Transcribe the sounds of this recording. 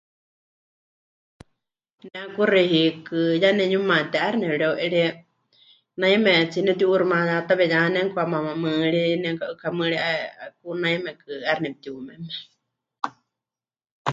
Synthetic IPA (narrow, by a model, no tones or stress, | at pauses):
nɛakuriɦikɨjanɛɲumãt̪ɛʔaɾnɛɺɛwʔɛɺɛ | naimɛt͡sinɛt̪iuɾumãjat̪aβɛɲanɛŋkamãmamɨːɺinɛŋkaʔɨkʰamɨɺiʔakunaimɛkɨaɾnɛp̚t̪iumɛmɛ̥